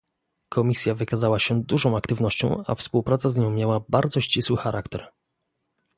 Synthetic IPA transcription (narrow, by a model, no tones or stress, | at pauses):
kʰɔmʲisʲjavɘkazawaɕɛd̪uʐɔ̃w̃akt̪ɘvnɔɕt͡ɕɔ̃w̃a̰fspuwpɾat̪sazɲɔ̃w̃mʲjawabaɾd̪zɔɕt͡ɕiswɘxaɾʔakt̪ɛɾ